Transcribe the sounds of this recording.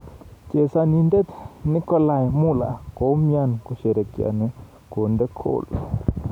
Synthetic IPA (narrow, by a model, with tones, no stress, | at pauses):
ke˨sa˧nĩ˧nde˦t̪ni˦kɔ˦la˧˨jmu˦˨la̰˨ko˨˦mja˧nku˧ʃe˨ɾe˨kja̰˨ni˧ | ko˨nde˦kʰo̰˦˨l